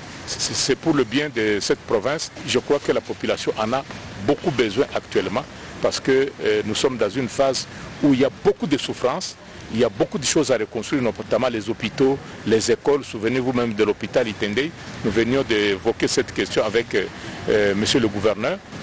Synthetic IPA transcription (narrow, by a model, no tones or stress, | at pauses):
sɛpuʁləbjɛ̃d̪əsɛt̪pʁɔvɛ̃sʒəkʁwakəlapɔpylasjɔ̃ʔɑ̃nabokubəzwɛ̃ʔak̚t̪ɥɛlmɑ̃ | paʁsə̥kənusɔmd̪ɑ̃zynfazuilijabokud̪əsufʁɑ̃s | iliabokud̪əʃozaʁəkɔ̃st̪ʁiʁnɔt̪amɑ̃lɛzopit̪o | lɛzekɔlsuvənevumɛ̃md̪əlopit̪alit̪ɛ̃d̪ɛjnuvənjɔ̃d̪evɔkesɛt̪kʲɛst̪jɔ̃avɛk | məsjøləɡuvɛʁnœːʁ